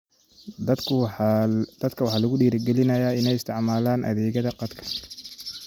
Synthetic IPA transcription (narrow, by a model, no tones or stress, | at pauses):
d̪̥ɐd̪kʰɐwɑħɑːlɐɣʊɖiːɾɪɡɛlɪnɐjaːɪnɛjɪst̪ʰɪʕmaːlaːnʔɐ̰ðɛːɣɐðɐqɑd̪kʰɐ̥